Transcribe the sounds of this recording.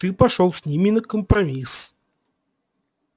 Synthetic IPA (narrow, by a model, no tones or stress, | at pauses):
t̪ɨpɐʂolˠsʲnʲimʲɪnəkəmpɾɐmʲis